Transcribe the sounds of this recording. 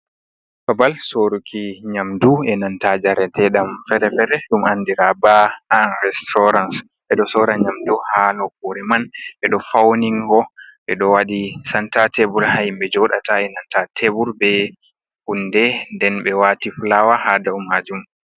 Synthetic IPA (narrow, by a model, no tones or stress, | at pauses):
fabalsoɾukʰiɲamduɛnantad͡ʒaɾɛtɛɗamfɛɾɛfɛɾɛɗumandiɾabaanɾɛstɔɾans | ɓɛɗɔsɔɾaɲamduhanɔkɔɾɛmanɓɛɗɔfawniŋɡɔɓɛ̰ɗɔwaɗisantatebuɾhajimbɛd͡ʒɔɗataɛnantatʰebuɾbɛ | hundɛndɛnɓɛwatiflawahadaumːad͡ʒum